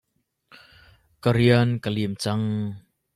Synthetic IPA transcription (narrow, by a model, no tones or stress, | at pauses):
kaɾiənkalimt͡saŋ